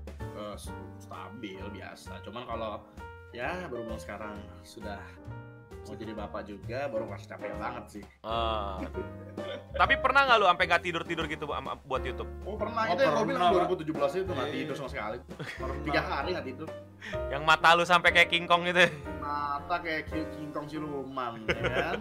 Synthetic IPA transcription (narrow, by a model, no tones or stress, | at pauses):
əsst̪a̰bɪlbia̰sa̰t͡ʃumankalo | jabəɾubaansə̥kaɾaŋ | sudah | ad͡ʒadibapaʔd͡ʒuɡabaɾʊŋkasi̥t͡ʃapajbaŋət̪̚sɪhə | t̪apipərnahŋɡaluampeŋɡaʔt̪idʊrt̪idʊrɡit̪ua̰buat̪jut̪ʊp̚ɔpərnaht̪uaŋolduaɾibut̪ud͡ʒʊhbəlasɪt̪uŋaid̪ʊsamasəkali | əɾnt̪iɡaɦaɾiŋat̪id̪ʊr | jaŋmat̪alus̬ampɛkajakiŋkɔŋɡit̪umat̪akajakkiŋkɔŋsiɾumankan